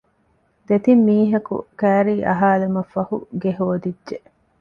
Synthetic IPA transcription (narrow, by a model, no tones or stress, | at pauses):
d̪et̪imːiːɦɐkṵkæːɾiːʔɐ̰ɦaːlemɐfːɐhṵɡeɦoːd̪idːʒe